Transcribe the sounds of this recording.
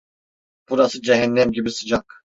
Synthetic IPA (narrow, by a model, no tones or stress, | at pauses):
b̥uɾasɯd͡ʒɛɦɛnːɛmɟibisɯd͡ʒak